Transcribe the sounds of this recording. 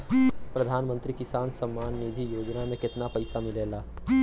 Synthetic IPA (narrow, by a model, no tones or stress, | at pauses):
pɾəd̪ʱaːnmə̃nt̪ɾikɪsaːnsəmːaːnːid̪ʱijoːd͡ʒnamẽkɪt̪napəɪsamɪleːlaː